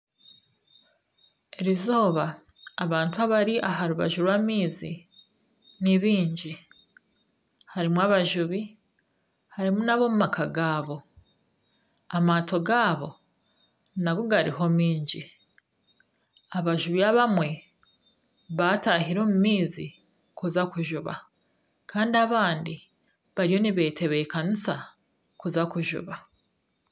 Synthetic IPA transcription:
eɾizoːβaːβaːntuaβaɾiʔaɦaɾuβa̰ʒuɾwamiːzḭ | niβiːɲɟi | haɾimwaβaʒuβi | haɾimunaβo̞mumakʰaɡaːβo̞ | amaːto̞ɡaːβo̞̰ | naɡoɡaɾḭɦo̞miːɲɟi | aβaʒuβiaβamwe̞ | βataɦiɾo̞ːmumiːzi | kuzakuʒuβa̰ | kʰaːndiaβaːndi | βaɾijo̞niβe̞ːtʰe̞βe̞kanisa | kuzakuʒṵβa

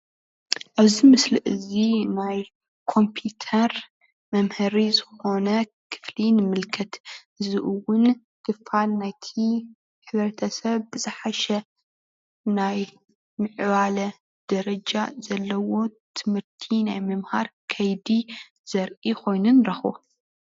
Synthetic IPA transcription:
ʔaβzimɨslɨʔɨzinaj | kʰo̞mpʰjut̪ʰɐɾ | mɐmhɐɾizɨxo̞nɐ | kʰɨ̥flinɨmɨlkʰɐt̪ɨzɨʔuwʊn | kʰɨfalnajt̪ʰi | ħɨβɾɐt̪ʰɐsɐβbɨzɨħaʃɐ | naj | mɨʕβalɐ | d̪̥ɐɾɐd͡ʒazɐlːɐwo̞t̪ʰɨmhɨɾt̪ʰinajmɐmhaɾkʰɐjd̪i | z̥ɐɾʔikʰo̞jnunɾɐxbo̰

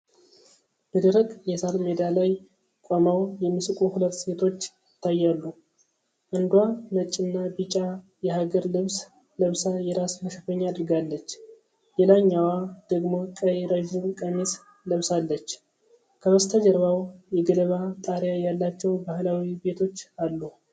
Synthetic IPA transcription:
bəd̪əɾəkʼjɛsalmed̪alaj | kʷʼamawjɛmːɨsɨkʼuhulət̪ːse̞t̪ʰo̞t͡ʃːjɪt̪ʰːajːalːu | ʔɨnd̪wamət͡ʃʼːɨnːabit͡ʃʼːa | jɛɦaɡəɾlɨβs | ləβsajɛɾasməʃəfəɲːaːd̪ɨɾɡalːət͡ʃː | jɛlaɲːawad̪̥əɡmo̞kʼəjeɾəʒɪmkʼəmes | ləβsalːət͡ʃː | kʰəwəst̪ʰad͡ʒɛɾβawjɛɡələβat̪ʼaɾjajalːat͡ʃːɛwbahlawibe̞t̪ʰo̞t͡ʃːalːu

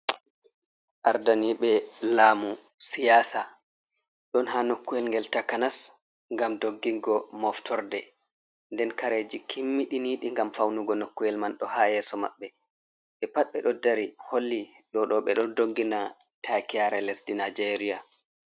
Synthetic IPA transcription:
ʔaɾdaniɓɛlaːmu | sijaːsa | ɗɔnɦanokːuɛlŋɡɛltakːanas | ŋɡamdoɡːiŋɡɔmɔftʰɔɾdɛ | ndɛnkaɾeːd͡ʒikʰimːiɗiniːɗiŋɡamfawnuɡɔnokːuɛlmanɗɔhaːjɛːsɔma̰ɓːɛ | ɓɛpaɓɛɗɔdaɾiholːi | ɗɔɗɔɓɛɗɔndoɡːina | tʰakiaɾɛlɛsdinad͡ʒeɾija

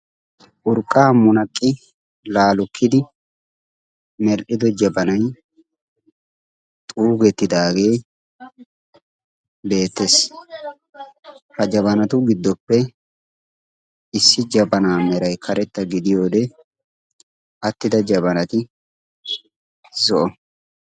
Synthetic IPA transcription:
ʔʊɾkʼːaːmʊnɐkʼːɪ | laːlʊkʰːɪd̪ɪ | mɛɾʔɪd̪ɔd͡ʒɐbɐnɐj | t̪ʼuːɡɛt̪ːɪd̪aːɡe̞ː | be̞ːt̪ːes | hɐd͡ʒɐbɐnɐt̪ʊɡɪd̪ːɔpːɛ | ɪsːɪd͡ʒɐbɐnaːmɛɾɐjkʰɐɾɛt̪ːɐɡɪd̪ɪjo̞ːd̪ɛ | ɐt̪ːɪd̪ɐd͡ʒɐbɐnɐt̪ɪ | zɔʔɔ

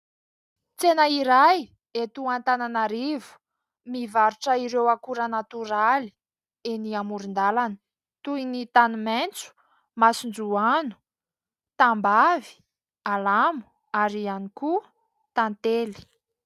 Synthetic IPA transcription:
t͡senaiɾaj | et̪uãnt̪ananaɾivu̥ | mivaɾuʈ͡ʂəiɾewakuɾanat̪uɾali̥ | eniamuɾind̪alanə̥ | t̪uinit̪anument͡su̥ | masund͡zuanu̥ | t̪ambavi̥ | alamu̥ | aɾianiku | t̪ant̪eli̥

